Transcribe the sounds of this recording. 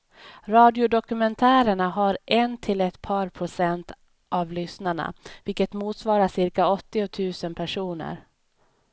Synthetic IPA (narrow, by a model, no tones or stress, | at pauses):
ɾɑːd̪ɪʊd̪ɔkɵmɛnt̪ʰæːɾəɳaɦaɾʔɛnt̪ʰɪlɛt̪pʰɑːɾpʰɾʊsɛnt̪ | ʔavlʏsnaɳa̰vɪlkət̪muːt̪svɑːɾaʂɪɾkaɔt̪ːɪɔt̪ʰʉ̟ːsənpʰæʂuːnə̰ɾ